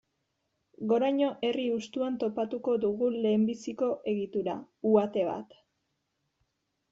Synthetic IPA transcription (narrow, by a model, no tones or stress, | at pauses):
ɡo̞ɾajɲo̞ʔe̞riust̪uant̪o̞pat̪uko̞ðuɣule̞ːmbisiko̞ʔe̞ɣit̪uɾa̰ | uat̪e̞βa̰t̪